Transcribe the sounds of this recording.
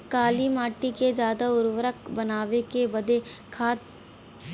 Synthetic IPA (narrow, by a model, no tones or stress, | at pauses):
kaːlimaːʈikezjaːd̪aʊɾwəɾəkbɐnaːʋekebɐd̪ekʰaːt̪̚